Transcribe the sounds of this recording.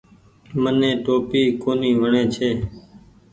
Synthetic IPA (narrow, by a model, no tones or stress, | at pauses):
mənẽːʈoːpiːkoːniːʋəɳẽːt͡ʃʰeː